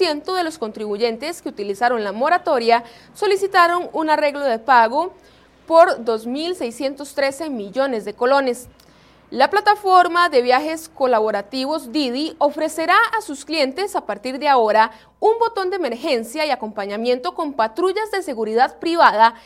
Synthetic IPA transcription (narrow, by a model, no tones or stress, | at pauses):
je̞nt̪oðe̞lo̞skont̪ɾiβuʝe̞nt̪e̞skeut̪ilisaɾo̞nlamo̞ɾat̪o̞ɾja | so̞lisit̪aɾo̞nunare̞ɣlo̞ðe̞paɣo̞ | po̞ɾd̪o̞zmilse̞jsje̞nt̪o̞st̪ɾe̞se̞miʝo̞ne̞zd̪e̞ko̞lo̞ne̞s | laplat̪afo̞ɾmaðe̞βjaxe̞sko̞laβo̞ɾat̪iβo̞zd̪iðio̞fɾe̞se̞ɾaːsusklje̞nt̪e̞sapaɾt̪iɾd̪eao̞ɾa | umbo̞t̪o̞nd̪eeme̞ɾxe̞nsjaiako̞mpaɲamje̞nt̪o̞ko̞mpat̪ɾuʝazd̪e̞se̞ɣuɾiðaðpɾiβaða